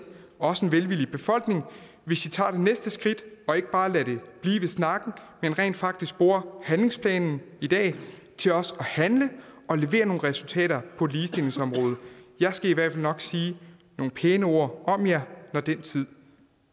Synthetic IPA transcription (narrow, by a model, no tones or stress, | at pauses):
ɒ̽səenʋelʋilib̥e̝fɒ̽l̰ɡ̥ne̝ŋ | ʋe̝sit͡sʰɑ̰̈ːd̥e̝nesd̥əsɡ̥ʁid̥ɒ̽e̝ɡ̥əb̥ɑ̈ːlæɾe̝b̥liːʋe̝snɑ̈ɡ̥n̩menʁɛ̰ːnd̥fɑ̈ɡ̥d̥isɡ̥̚b̥o̝ːɐhænle̝ŋspʰlɛ̰ːnn̩id̥ɛ̰ː | t͡sʰe̝lɒ̽sɒ̽hænləɒ̽le̝ʋe̝̰ːɐno̝ːn̩ʁɛsult͡sʰɛ̰ːɾɐpʰɒ̽liːsd̥e̝le̝ŋsɒ̽mʁɔːð̞ˠjɑ̈ɪsɡ̥æiʋæɐdfæl̰nɒ̽ɡ̥siːno̝ːn̩pʰeːnəo̝ːɐ̰ʔɒ̽mjɑnɒd̥en̰t͡sʰið̞̰ˠ